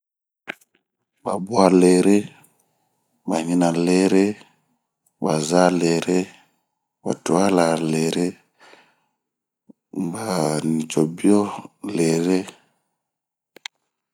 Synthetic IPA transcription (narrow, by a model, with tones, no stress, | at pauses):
ba˨bwa˦le˨ɾe˦ | ba˨ɲi˦na˨le˦ɾe˦ | ba˨za˦le˨ɾe˦ | ba̰˨tu˨a˦la˨le˨ɾe˦ | ba˨ni˨t͡ʃo˨bi˦o˦le˨ɾe˦